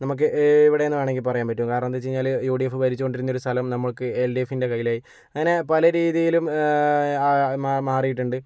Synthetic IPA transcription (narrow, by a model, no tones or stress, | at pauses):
nɐmuk̬ːɨʔiʋiɽe̞enːɨʋeːɳe̞ŋɡilpɐrɐjaːnpɐtːumkaːɾɐɳɐnt̪et͡ɕejiɲaːljuːɖijefːɨʋɐɾit͡ɕːuko̞ɳɖiɾunːo̞ɾust̪ʰɐlɐmnɐmːɐɭkɨelɖiefːinde̞kɐjːilaːji | ɐŋine̞pɐlɐɾiːðijilum | mamaːrijiʈːuɳɖɨ